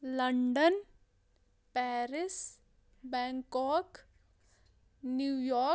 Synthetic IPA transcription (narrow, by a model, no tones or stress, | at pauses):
ləɳɖən | pɛːɾɪs | bɛ̃ːŋkɔːk | njuːjɔː